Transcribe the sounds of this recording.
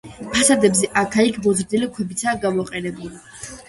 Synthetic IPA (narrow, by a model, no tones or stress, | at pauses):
pʰasad̪ɛbzɛʔakʰaikʰbɔzɾd̪ilikʰwɛbit̪sʰaːɡamɔqʼɛnɛbuli